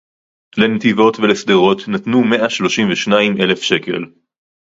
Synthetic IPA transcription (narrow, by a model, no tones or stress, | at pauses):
lenet̪ivo̞tvelesd̪eʁo̞t̪natnume̞ʔaʃlo̞ʃimveʃnaimʔe̞le̞fʃe̞ke̞̰l